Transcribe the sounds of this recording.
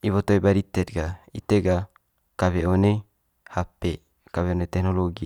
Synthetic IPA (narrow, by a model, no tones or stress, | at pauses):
iβɔt̪oibaɾit̪ɛt̪̚ɡait̪eɡa | kaβɛone | hape | kaβeɔnet̪ɛknɔloɡi